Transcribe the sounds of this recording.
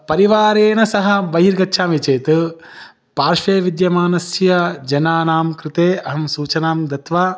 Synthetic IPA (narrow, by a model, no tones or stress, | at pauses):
pɐɾiʋaːɾeːnɐsɐɦɐ̆bɐɦiɾɡɐtːʃʰaːmit͡ʃeːt̪ɨ | paːɾʂeːʋid̪jɐmaːnɐsjɐd͡ʒɐnaːnaːmkɾɪt̪eːɐɦɐmsuːt͡ʃɐnaːmd̪ɐt̪ʋaː